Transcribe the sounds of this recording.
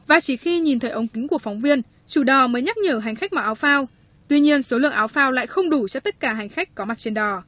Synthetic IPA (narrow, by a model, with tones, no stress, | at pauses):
vaː˨˩t͡ɕi˧˩xi˧ɲi˨˩nt̪ʰəː˨˦ʔə˨˦wŋ͡mkï˨˦ŋ̟ku˧˩əfa˨˦wŋ͡mvi˧ən | t͡ɕu˧˩ɗɔ˨˩məː˨˦jɲa˦˥k̚ɲəː˧˩ɦa˨˩ŋ̟xa˦˥k̚mɔ̰˨˩ʔːwfaː˧w | t̪wi˧ɲi˧ənso˨˦lɨ̰˧˨əŋʔaː˨˦wfaː˧wla̰ː˧˨jxə˧wŋ͡mɗu˧˩t͡ɕɔ˧t̪ə˦˥t̚kaː˧˩ɦa˨˩jŋ̟xa˦˥k̟kɔ˨˦ma˨˩t̚t͡ɕe˧nɗɔ˨˩